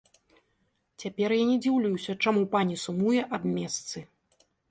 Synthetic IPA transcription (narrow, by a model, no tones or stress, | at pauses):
t͡sʲapʲɛrjanʲɛd͡zʲiwlʲujwsʲɐt͡ʂamupanʲisumujɛʔabmʲɛst̪sɨ